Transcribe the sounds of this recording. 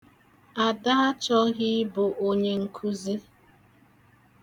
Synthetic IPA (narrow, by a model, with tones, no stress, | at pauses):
a˨da˦a˦t͡ʃɔ˦ɣi˦bʊ˨ʔo˦ɲe˨ŋ̩˨kʰu˦zi˦